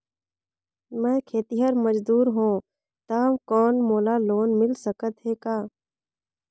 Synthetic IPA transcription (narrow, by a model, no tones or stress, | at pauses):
mɛ̃ːkʰeːt̪iɦəɾməd͡ʒd̪uːɾɦõː | t̪aːmkɔːnmoːlaːloːnmɪlsəkət̪ɦeːkaː